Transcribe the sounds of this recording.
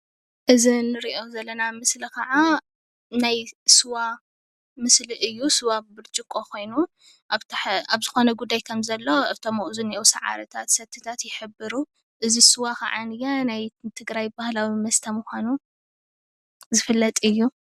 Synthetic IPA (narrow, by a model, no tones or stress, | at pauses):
ʔɨzinɨɾiʔo̞zɐlːɐnamɨslikʰɐʕa | najsɨwa | mɨsliʔɨjːusɨwabɨɾt͡ʃʼɨkʼːo̞kʰo̞jnu | ʔaβt̪ʰħaβzɨxo̞nɐɡud̪ːajkʰɐmzɐlːo̞ɨt̪ʰomoʔzuniʔowsɐʕa̰ɾɐt̪ʰat̪sɐt̪ʰːɨt̪ʰat̪jɪħɨbːɨɾu | ʔɨzisɨwakʰɐ̰ʕanɨjanajt̪ʰɨɡɾajbahlawimɐst̪ʰɐmuxʷanu | zɨfɨlːɐt̪ʼɨjːu